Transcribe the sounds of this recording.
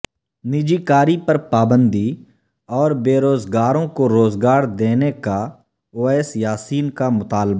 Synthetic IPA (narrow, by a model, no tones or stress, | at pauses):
nɪd͡ʒikaːɾipɐɾpaːbə̃nd̪i | ɔːɾbeːɾoːzɡaːɾõkoɾoːzɡaːɾd̪eːneka | oːɛːsjaːsiːnkamʊt̪aːlba